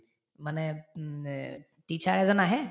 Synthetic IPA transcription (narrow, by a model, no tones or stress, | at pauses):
manɛ | ʈit͡ʃʰaɾɛd͡zɔnaɦɛ